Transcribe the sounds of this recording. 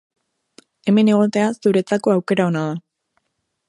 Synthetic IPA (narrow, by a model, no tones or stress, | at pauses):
e̞me̞ne̞ɣ̞o̞t̪e̞asuɾe̞t͡sako̞awke̞ɾao̞naða